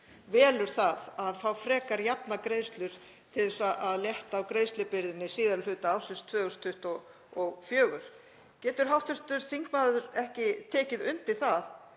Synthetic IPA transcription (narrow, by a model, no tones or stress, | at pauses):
vɛːlʏɾ̥θaðaðfawfɾɛːkaɾjapnakɾeːjst̪lʏɾ̥ | t̪ʰɪðɛsaʔaðljɛht̪aːwkɾeːjst̪lʏpɪɾðɪnːɪsiːðaɾlfʏːt̪aawsʏst̪ʰvœːʏst̪ʰʏht̪ɔ | ɔɣfjœːɣʏɾ̥ | cɛːt̪ʏɾ̥ɦawht̪ʏht̪ʏɾ̥θiŋkmaːðʏɾɛhcɪt̪ʰɛːcɪðʏnt̪ɪθað